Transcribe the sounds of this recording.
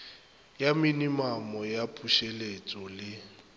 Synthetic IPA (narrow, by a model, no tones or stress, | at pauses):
jaminimamɔjapʼuʃelet͡sʼɔlɪ